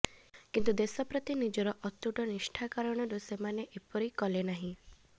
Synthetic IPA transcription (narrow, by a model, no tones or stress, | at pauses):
kint̪ud̪esɔpɾɔt̪inid͡ʒɔɾɔʔɔt̪uʈɔnisʈʰakaɾɔɽ̃ɔɾusemaneʔepɔɾikɔlenaɦĩ